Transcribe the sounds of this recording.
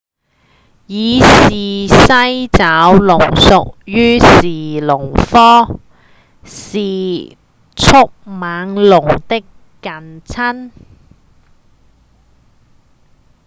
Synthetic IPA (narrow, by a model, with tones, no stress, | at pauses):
jiː˨˧siː˨sɐ˥jt͡saː˨˥wlʊ˨˩ŋsʊ˨k̚jyː˥siː˨˩lʊ˨˩ŋfɔː˥ | siː˨ | t͡sʰʊ˥k̚maː˨˧˥ŋlʊ˨˩ŋt̪ɪ˥kː | ɐ˨nt͡sʰɐ˥n